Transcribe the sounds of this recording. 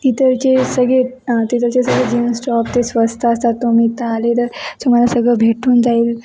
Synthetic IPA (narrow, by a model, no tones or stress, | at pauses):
t̪it̪əɾt͡ɕesəɡɭe | ət̪it̪əɾt͡ɕesəɡɭed͡ʑinsʈɔp̚t̪esʋəst̪ʰaəst̪at̪ːumiːt̪əalet̪əɾtumalasəɡɭəbʱeʈuːnd͡zaiːl